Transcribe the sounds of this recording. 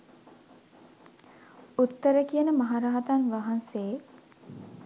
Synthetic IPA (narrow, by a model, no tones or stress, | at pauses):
ut̪ːəɾəkijənəmaɦaɾaːat̪anʋaɦanse